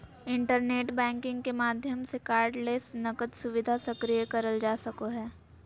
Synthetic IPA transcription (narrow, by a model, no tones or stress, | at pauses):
ɪ̃ɳʈəɾneːʈbɛ̃ːŋkɪ̃ŋɡkemaːd̪ʱjəmsekaːɾɖleːsnɐkət̪sʊʋɪd̪ʱasɐkɾijəkɐɾəld͡ʒaːsɐkoɦɛː